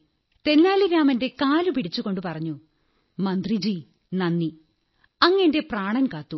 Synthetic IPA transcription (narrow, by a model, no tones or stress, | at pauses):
t̪e̞nːaːliɾaːmɐnde̞kaːlupiɽit͡ɕːuɣo̞ɳɖupɐrɐɲːu | mɐnd̪rid͡ʑi | nɐnːi | ɐŋːɐnde̞praːɳɐnkaːt̪ːu